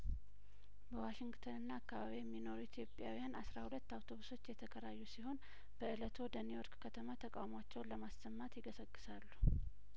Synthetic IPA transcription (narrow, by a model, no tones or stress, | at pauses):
bəwaʃɪŋɡt̪ʰənɨnːaːkːaβaβijɛmːino̞ɾuit̪ʰjo̞pʼːja̰wijanʔasɾahulət̪ːawt̪ʰo̞βuso̞t͡ʃːjɛt̪ʰəkʰəɾajːusiho̞n | b̥əɨlət̪ʰo̞d̪ənijoɾkkʰət̪ʰəmat̪ʰəkʼawmwat͡ʃːɛwləmasːəmːat̪jɪɡəsəɡʼːɨ̥salːu̥